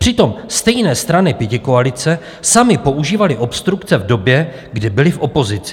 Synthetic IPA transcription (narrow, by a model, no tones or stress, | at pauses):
pr̥ɪt̪o̞mst̪ɛjnɛːst̪ɾanɪpjɛcɪko̞alɪt͡sɛ | samɪpo̞ʔuʒiːvalɪʔo̞pst̪ɾukt͡sɛvdo̞bjɛ | ɡdɪbɪlɪfʔo̞po̞zɪt͡sɪ̥